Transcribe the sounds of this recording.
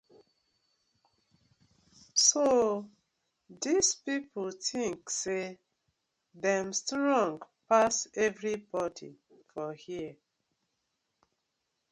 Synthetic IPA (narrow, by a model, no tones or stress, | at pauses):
so | dispipotĩŋkse | ðɛmstɹɔ̃ŋɡpasɛvɹibɔdḭ | fɔhiə